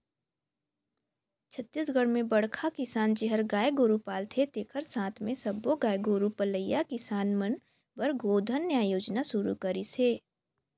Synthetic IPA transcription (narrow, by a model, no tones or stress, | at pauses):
t͡ʃʰət̪ːis̬ɡʱəɽmẽbəɽkʰakɪsaːnt͡ʃeɦəɾɡaːjɡoːɾupaːlt̪ʰet̪eːkʰəɾsãːt̪ʰmẽsɐbːoɡaːjɡoːɾupələjːakɪsaːnmən | bəɾɡoːd̪ʱənːeaːjoːd͡ʒnasʊɾṵkəɾiseː